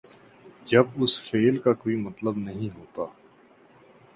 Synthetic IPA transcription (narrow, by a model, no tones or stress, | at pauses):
d͡ʒɐbʊsfeːlkakoːimɐt̪ləbnɐɦĩɦoːt̪aː